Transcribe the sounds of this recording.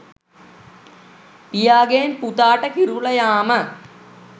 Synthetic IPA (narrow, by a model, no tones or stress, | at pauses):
pijaːɡeːnput̪aːʈəkiɾulɐjaːmə